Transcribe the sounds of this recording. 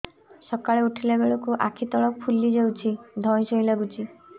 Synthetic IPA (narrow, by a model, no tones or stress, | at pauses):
sɔkaɭeuʈʰilebeɭɔkuʔa̰kʰit̪ɔɭɔk̚pʰulid͡ʒawt͡ʃʰid̪ʱɔ̃j̃sɔjlaɡut͡ʃʰi